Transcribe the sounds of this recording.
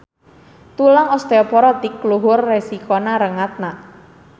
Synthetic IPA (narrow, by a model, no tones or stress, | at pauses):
t̪ulaŋɔst̪eɔpɔɾɔt̪ikːluɦʊrːɛsikɔnaɾəŋat̪̚na